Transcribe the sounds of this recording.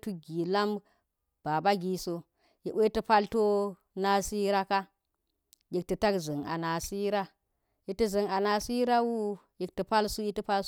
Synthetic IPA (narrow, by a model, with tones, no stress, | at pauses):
tu˦ɡi˨la˦m | b̥a˨ba˦ɡi˨so˨ | ji˨ʔwe˦ti˦pa˦lto˦ | na˦si˦ɾa˦ka˦ | ji˨k̚ti˨ta˦kzɨ˨ŋa̰˨na˨si˦ɾa˦ | ji˨ti˦zi˨ŋa˨na˨si˦ɾa˦wu˦ | ji˨k̚ti˨pa˦lsu˦ji˦ti˦pa˦l